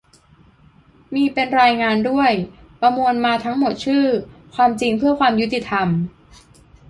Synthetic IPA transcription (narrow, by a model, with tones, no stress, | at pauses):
miː˧pe˧nɾaː˧jŋaː˧ndu˥˩əjpɾa˧mu˧ənmaː˧t̪ʰa˦˥ŋmo˨˩t̪̚t͡ɕʰɯː˥˩kʰwaː˧mt͡ɕi˧ŋpʰɯ˥˩ɐkʰwaː˧mju˦˥t̪ːi˧˩t̪ʰa˧m